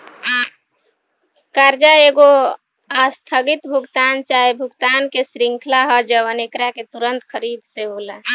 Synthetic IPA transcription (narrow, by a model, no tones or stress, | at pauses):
kaːɾd͡ʒaeɡo | ast̪ʰəɡɪt̪bʱʊɡt̪aːnt͡ʃaːebʱʊɡt̪aːnkesɾɪŋkʰlaɦɔd͡ʒəʋənekɾaket̪uɾə̃nt̪kʰəɾiːd̪seboːla